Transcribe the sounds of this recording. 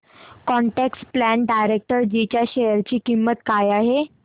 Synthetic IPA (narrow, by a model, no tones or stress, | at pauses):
kɔɳʈeksplæɳɖajɾek̚ʈəɾd͡ʑit͡ɕjaɕejəɾt͡ɕiːkimːət̪kajaɦe